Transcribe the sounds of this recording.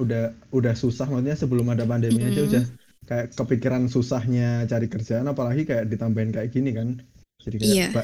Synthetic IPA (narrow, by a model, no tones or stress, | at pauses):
udahudahsusahmasut̪̚ɲasəbəlʊmadapandemiad͡ʒaudah | kajaʔkəpikiɾansusahɲat͡ʃaɾikərd͡ʒaːnapalaɡikajaʔdit̪ambaɪnkajaʔɡ̥inikan | d͡ʒ̥adikajaab̥a